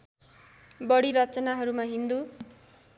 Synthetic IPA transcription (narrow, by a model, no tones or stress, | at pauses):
bʌɽiɾʌt͡sʌnaɦʌɾumaɦind̪u